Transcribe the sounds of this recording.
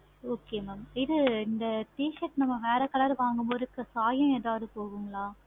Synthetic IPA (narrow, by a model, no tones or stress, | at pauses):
oːkeːmaːmɪðɯɪnd̪ɐʈiːʃɐʈnɐmːɐʋeːɾɐkːɐɭɐɾɯʋaːŋɡɯmboːðɯkːɐsaːjɐ̃eːðaːʋɐðɯpoːɣɯŋɡɐɭaː